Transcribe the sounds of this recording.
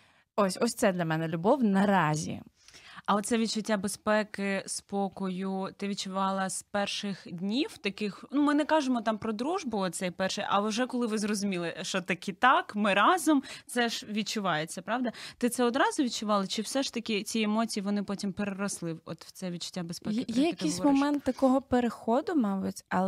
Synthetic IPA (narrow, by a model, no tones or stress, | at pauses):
osʲɔsʲt̪ɛd̪lʲɐmɛnɛlʲʊbɔwnɐɾɑzʲḭ | ɐɔt̪sɛʋʲid̪̚t͡ʃʊtʲːabespɛkɪspɔkɔjʊt̪ɪʋʲid̚t͡ʃʊʋɑlˠɐspɛrʃɪxdʲnʲiwt̪ɐkɪxnumɪnɛkɑʒemɔt̪ɑmpɾɔd̪ɾuʒbʊɔt̪t̪sɛjpɛrʃɪjʔɐʊʒɛkɔlˠɪʋɪzɾɔzʊmʲilˠɪʃɔt̪ɐkʲit̪ɑkmɪɾɑzɔmt̪sɛʒʋʲid̚t͡ʃʊʋɑjet͡sʲːɐpɾɑʋd̪ɐt̪ɪt̪sɛɔd̪ɾɑzʊʋʲid̚t͡ʃʊʋɑlˠɐt͡ʃɪwsɛʃt̪ɐkʲɪt͡sʲiemɔt͡sʲijiʋɔnɪpɔtʲimpeɾeɾɔslˠɪwɔ̰t̪wt̪sɛʋʲid̚t͡ʃʊ̥tʲːabespɛkjɛjɐɐkissʲmɔmɛnt̪ːɐkɔɦɔpeɾexɔd̪ʊmɑbʊtʲɐ